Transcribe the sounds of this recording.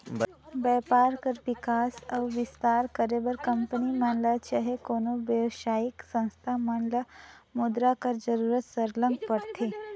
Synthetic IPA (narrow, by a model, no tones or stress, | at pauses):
bɛpaɾkəɾʋikasawʋist̪aɾkəɾebəɾkəmpəniməɳlət͡ɕəɦekonoʋjəʋɕaiksə̃w̃st̪ʰam̤əɳlə | mud̪ɾakəɾd͡zəɾuɾət̪səɾləmɡpəɽt̪ʰe